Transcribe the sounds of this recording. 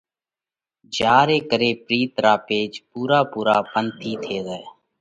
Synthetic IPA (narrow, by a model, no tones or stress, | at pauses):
d͡ʒaːɾeːkəɾeːpɾiːt̪ɾaːpeːd͡ʒpuːɾaːpuːɾaːpənt̪ʰiːt̪ʰeːzɛː